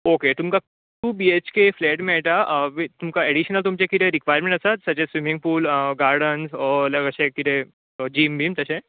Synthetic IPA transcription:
oket̪umka | ʈubiet͡ɕkefleʈmɛɭʈaʋit̪umkaeɽiɕnəlt̪̬umt͡ɕekit̪eɾikʋajəɾmẽɳʈəsat̪sət͡ɕesʋimĩŋɡ̚puːlɡaɾɖənsləɡəɕekit̪ʰe | d͡ʑiːmbiːmt̪əse

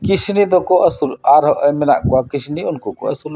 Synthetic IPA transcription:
kisnid̪ɔkɔʔəsuɾaɾɦɔʔəjmɛna̰ʔkɔakisniunkɔkɔə̰suɾ

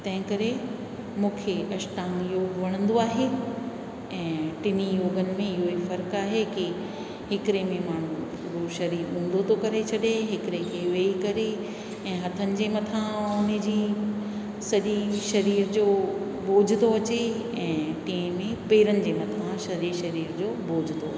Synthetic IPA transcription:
t̪ɐ̃ɦɪ̃kɐɾe | mũːkʰeɐʃʈaːmjoːɡʋɐɽ̃ə̃nd̪oaːɦe | ɛ̃ːʈɪnijoːɡənɪ̆mẽɪɦoifɐɾkaːɦekɪ | hɪkɾemẽmaːɳ̤ũ | ɾoːʃɐɾiːɾɦũːn̆d̪ot̪ʰokɐɾet͡ɕʰɐɗeɦɪkɾekʰeʋeːikɐɾe | ɛ̃ːɦɐt̪ʰənɪ̆d͡ʑeːmɐt̪ʰãʊn̆d͡ʑiː | sɐʄeʃɐɾiːɾd͡ʑoː | boːd͡ʑʱt̪oɐt͡ɕe | ɛ̃ːt̪ĩẽmẽpeːɾənɪ̆d͡ʑeːmɐt̪ʰãʃɐɾeʃɐɾiːɾd͡ʑoːboːd͡ʑʱt̪o

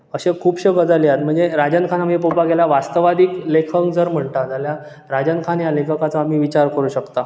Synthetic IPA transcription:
əɕekʰuːpɕəɡəd͡zaljat̪m̤əɳd͡zeɾad͡ʑənkʰanamipopaɡelaʋast̪əʋad̪iːklekʰəŋkd͡zəɾm̤əɳt̪ad͡zalja | ɾad͡ʑənkʰanjalekʰəkat͡səamiːʋit͡ɕaɾkəɾuɕəkt̪a

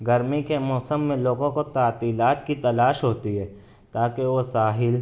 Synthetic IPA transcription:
ɡəɾmikemɔːsəmːẽloːɡõkot̪aːt̪iːlaːt̪kit̪ɐlaːʃɦoːt̪iɦɛː | t̪aːkeʋosaːɦɪl

